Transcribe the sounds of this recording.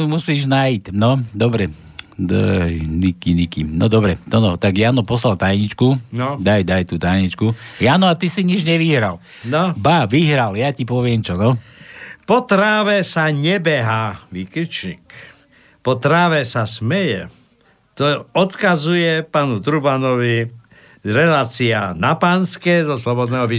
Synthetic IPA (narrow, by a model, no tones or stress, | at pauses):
umusiːʒnajicnɔd̪ɔbɾɛ | d̪ɔjnikinikinɔd̪ɔbɾɛnɔnɔt̪aɡjaːnɔpɔslalt̪ajɲit͡ʃkunɔd̪ajd̪ajt̪uːt̪ajɲit͡ʃkujaːnɔat̪isiɲid͡ʒɲɛʋiɦɾal | nɔbaʋiɦɾaljacipɔʋɪɛmt͡ʃɔnɔ | pɔt̪ɾaːʋɛsaɲɛbɛɦaːʋiːkit͡ʃɲḭk | pɔt̪ɾaːʋɛsasmɛjɛ̰ | t̪ɔɔt̪kazujɛpaːnut̪ɾubanɔʋi | ɾɛlaːt͡sianapanskɛzɔslɔbɔd̪nɛːɦɔʋi